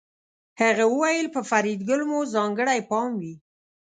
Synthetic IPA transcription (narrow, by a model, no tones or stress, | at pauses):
haɣawəwajəlpəfaɾid̪ɡʊlmuzɑŋɡəɽajpɑmwi